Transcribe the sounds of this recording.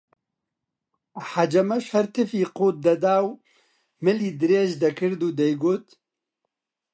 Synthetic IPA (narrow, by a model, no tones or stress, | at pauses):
ħad͡ʒɐmɐʃhɐɾt̪ʰɨfiːqoːt̪̚d̪ɐd̪aːw | mɨliːd̪ɨɾeːʒd̪ɐkʰɨɾd̪uːd̪ɛjɡoːt̪